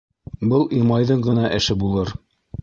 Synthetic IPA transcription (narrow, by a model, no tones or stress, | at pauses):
bɤlˠimɑjðɤɴɢɤ̆nɑʔɘ̆ʃɘbulˠɤɾ